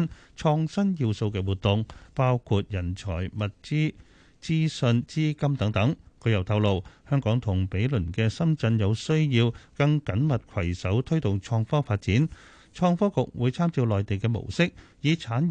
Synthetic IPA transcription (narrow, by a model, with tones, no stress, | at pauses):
nt͡ʃʰɔː˧ŋsɐ˥njiː˧wso˧wkɛː˧wuː˨t̪̚ʊ˨ŋpaː˥wkʰuː˧t̚jɐ˨˩nt͡ʃʰɔ̰ː˨˩jmɐ˨t̚t͡siː˥ | t͡siː˥sɵ˧nt͡siː˥kɐ˥mt̪ɐ˨˥ŋt̪ɐ˨˥ŋkʰɵ˨˧˥jɐ˨wt̪ʰɐ˧wlo˨˧whœː˥ŋkɔː˨˥ŋt̪ʰʊ˨˩ŋpe˨˥jlɵ˨˩nkɛː˧sɐ˥mt͡sɐ˧njɐ˨˧wsɵ˥ɥjiː˧wkɐ˧ŋkɐ˨˥nmɐ˨t̚kʰɐ˨˩jsɐ˨˥wt̪ʰɵ˥ɥt̪ʊ˨ŋt͡ʃʰɔː˧ŋfɔː˥faː˧t̚t͡siː˨˥n | t͡ʃʰɔː˧ŋfɔː˥kʊ˨k̚wuː˨˧jt͡sʰaː˥mt͡siː˧wlɔː˨jt̪e˨jkɛː˧mo̰˨˩wsɪ˥k̚jiː˨t͡sʰaː˨˥n